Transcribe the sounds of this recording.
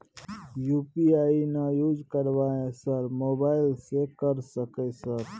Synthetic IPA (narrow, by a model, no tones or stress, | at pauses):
jupiainajud͡ʒkəɾʋaesəɾmobaːɪlsekəɾsəkəsəɾ